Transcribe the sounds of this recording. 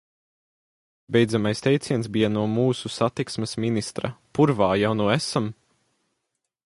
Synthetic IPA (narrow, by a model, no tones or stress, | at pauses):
bʲejd̪zamajst̪ʲɛjt̪sʲiɛnsbijanuɔmuːsusat̪iksmɛsminist̪ɾa̰puɾvaːjawnuɔɛsam